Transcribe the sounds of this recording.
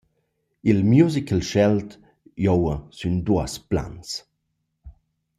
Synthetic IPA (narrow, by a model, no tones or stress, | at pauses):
ilmjuzikəlʃɛlt | jowəsynduəspla̰ns